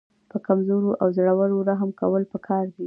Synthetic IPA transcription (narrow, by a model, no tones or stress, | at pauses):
pəkamzoɾoʔawzaɽawaloɾaɦəmkawəlpəkʰɑɾd̪i